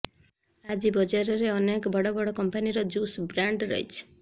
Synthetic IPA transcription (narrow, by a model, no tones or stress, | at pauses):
ad͡ʒibɔd͡ʒaɾɔɾeɔnekɔbʱɔɽɔbɔɽɔkɔmpaniɾɔd͡ʒusbɾaɳɖɾɔ̰ɦḭt͡ʃʰi̥